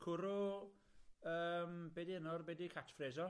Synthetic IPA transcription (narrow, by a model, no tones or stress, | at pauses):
kʰʊɾɔ | əːmbɛdiənɔrbɛdikʰatʰfreːzɔ